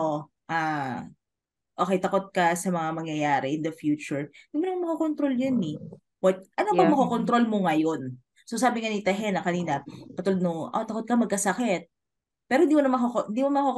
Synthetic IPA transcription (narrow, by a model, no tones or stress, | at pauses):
ʔo | ʔa | ʔo̞ːkɛjt̪ɐkot̪̚kɐsɐmɐŋamɐŋjɐjaːɾɛʔɪnd̪ɐfjuːt͡ʃʊɹɪnd̪imonmaŋmɐkokont̪ɾo̞ljonɛ | wɐt̪̚ʔɐnobɐŋmɐkokont̪ɾo̞lmoŋɐjon | sosaːbɪŋɐnit̪ɐɦɛnɐkɐniːnɐpɐt̪uld̪̚nʊŋʔo̰t̪ɐkot̪̚kɐmɐɡ̚kɐsɐkɛt̪̚ | pɛːɾohɪnd̪imonɐmɐkokoɪnd̪iːmomɐkok